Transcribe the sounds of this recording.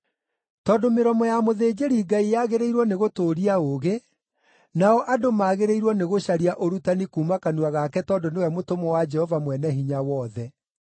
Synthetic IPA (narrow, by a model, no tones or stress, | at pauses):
tɔːdomeɾɔmɔjamoðeːd͡ʒeɾiɡaijaɣeɾeiɾwɔneɣotoːɾiaoɣe | naɔʔadomaːɣeɾeiɾwɔneɣoʃaɾiaʔoɾutanikuːmakanuaɣakɛtɔndonewɛmotomɔwad͡ʒɛhɔvamwɛnɛɦiɲawɔðɛ